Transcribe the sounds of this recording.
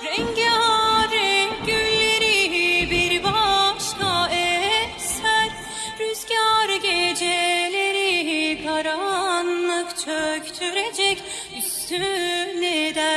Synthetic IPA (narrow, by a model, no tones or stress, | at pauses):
ɾɛɲɟaɾɯɟylːeɾiɦibiɾbaʃkaɛ | sæɾ | ɾyzɡaɾɯɟed͡ʒeleɾiɦikʰaɾanlˠɯkt͡ʃʰøct͡ʃʰyɾed͡ʒɛc | yst̪ʰyned̪æ